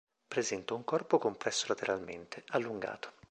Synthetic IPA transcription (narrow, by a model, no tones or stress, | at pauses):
pɾezɛnt̪auŋkɔrpokompɾɛsːolat̪eɾalmḛnt̪ealːuŋɡa̰ːt̪o̥